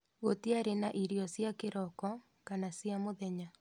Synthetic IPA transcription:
ɣotiaɾenaʔiɾiɔsjakeɾɔkɔ | kanasjamoðɛɲa

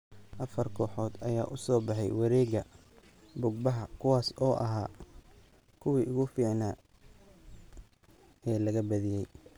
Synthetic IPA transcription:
ʔɐfɐrkʰɔːħɔːd̪ɐjaːʔʊsɔːbɑħɑ̰jwɑɾɛːɡɐ | bʊɡ̚bɐɦɐkʰʊwaːsɔːʔɐɦaː | kʰʊwiːʔʊɣʊfiːʕnaː | ɛːlɐɣɐbɐðɪjɛj

